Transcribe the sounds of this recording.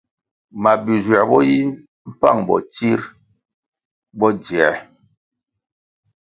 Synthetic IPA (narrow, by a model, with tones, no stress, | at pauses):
ma˨bi˨zwa˨bɔ˦ji˦ | m̩˦pa̰˦˨ŋbɔ̰˨ti˦ɾ | bɔ˦d͡zi˨ɛ˨